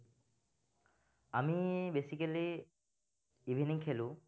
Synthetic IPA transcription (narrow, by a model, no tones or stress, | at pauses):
amibesikɐli | ubʱiniŋkʰelu